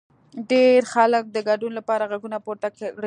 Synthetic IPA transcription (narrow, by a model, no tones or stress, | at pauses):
ɖeɾxalək̚d̪əɡaɖunlapɑɾaɣaɡunapoɾt̪akɽe